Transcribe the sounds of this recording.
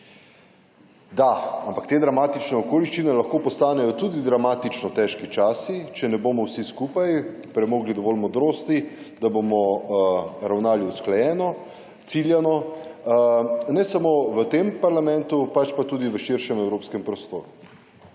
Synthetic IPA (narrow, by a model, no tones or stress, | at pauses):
d̪aampakt̪eːd̪ɾamaːt̪it͡ʃnɛɔkoːliʃt͡ʃinɛlɐxkoːpɔst̪aːnɛjɔt̪uːd̪id̪ɾamaːt̪it͡ʃnɔt̪ɛʃkit͡ʃaːsit͡ʃɛnɛboːmɔwsiskuːpaj | pɾɛmoːɡlid̪ɔʋɔlmɔd̪ɾoːst̪i | d̪abomɔ | ɾawnaːliusklɛjɛːnɔ | t̪siljɛnɔ | nɛsamoːʋət̪empaɾlamɛnt̪upat͡ʃpat̪uːd̪iʋəʃiɾʃɛmɛwɾoːpskɛmpɾɔst̪o̰ːɾu